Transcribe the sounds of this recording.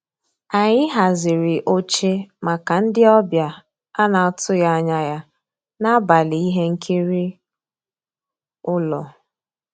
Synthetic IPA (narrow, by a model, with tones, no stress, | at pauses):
a˨ɲɪ˦ɦa˨zɪ˨ɾɪ˨ʔo˦t͡ʃe˦ma˨ka˨n̩˦dɪ˦ɔ˦bja˨ | a˦na˨tʊ˦ja˦a˦ɲa˦ja˦ | na˦ba˨li˨i˦ɦe˦ŋ̩˦kʰi˦ɾi˦ | ʊ˦lɔ˨